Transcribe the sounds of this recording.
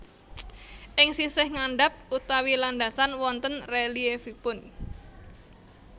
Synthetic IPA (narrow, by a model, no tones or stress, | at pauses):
ʔɪŋsisɪhŋanɖap̚ut̪awiland̪asanwɔnt̪ənreliefipʊn